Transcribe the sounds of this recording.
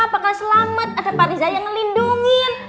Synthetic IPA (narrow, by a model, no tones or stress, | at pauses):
apakasəlamət̪̚adapaɾizajaŋːəlinduŋɪn